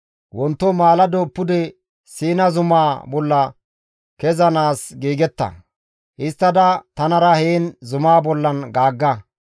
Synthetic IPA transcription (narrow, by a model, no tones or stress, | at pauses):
wɔnt̪ːɔmaːlɐd̪oːpːʊd̪ɛ | siːnɐzʊmaːbɔlːɐ | kɛzɐnaːsɡiːɡɛt̪ːɐ̰ | ʔɪst̪ːɐd̪ɐt̪ɐnɐɾɐheːnzʊmaːbɔlːɐnɡaːɡːɐ